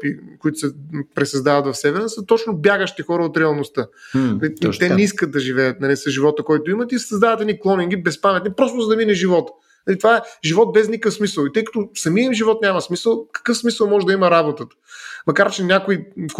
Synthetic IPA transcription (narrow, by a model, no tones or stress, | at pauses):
pikoit̪ʊ̥sɛpɾɛsɐzd̪avɐt̪vɐfsɛvɛɾnəsət̪ɔt͡ʃnobjaɡəʃt̪ɛxɔɾəot̪ɾɛɐlˠnost̪ənɐlit̪ɛnɛiskəd̪̚d̪ɐʒivɛjət̪̚nɐlisəʒivɔt̪əkɔjt̪oimət̪isɐzd̪avət̪ɛd̪niklˠɔniŋɡʲibɛspamɛt̪nʲipɾɔst̪ʊzɐd̪ɐminɛʒivɔt̪ə̥ | nɐlit̪ovaɛʒivɔt̪̚bɛznikəfsmisəlˠit̪ɤjkɐ̥t̪osɐmiəimiʒivɔt̪nʲamɐsmisəlˠkɐ̥kɤfsmisəlˠmɔʒɛd̪ɐimɐɾabot̪ət̪ə̥mɐkaɾt͡ʃɛnʲakoi